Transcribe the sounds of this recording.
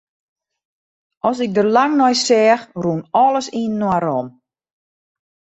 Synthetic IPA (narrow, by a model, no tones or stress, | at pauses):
ɔsɪk̚dərlaŋnɔjsɛːxrunɔlˠəsiːnːwaɾɔm